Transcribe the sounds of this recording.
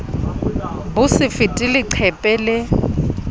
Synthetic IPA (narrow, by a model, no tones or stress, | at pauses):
bʊsɪfɪtʼɪlɪǀʰɛpʼɛlɪ